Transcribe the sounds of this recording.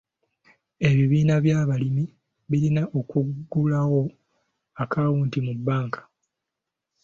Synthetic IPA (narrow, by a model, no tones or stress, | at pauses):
e̞βiβiːnaβjaːβalimi | βiɾinaʔo̞kuɡːulawo̞ | akawuːntimubːaːŋkḁ